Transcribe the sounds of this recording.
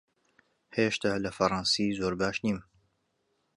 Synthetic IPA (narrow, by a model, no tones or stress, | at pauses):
heːʃt̪ʰaːlɐfɐɾˤɑnsiːzoːɾbaːʃniːm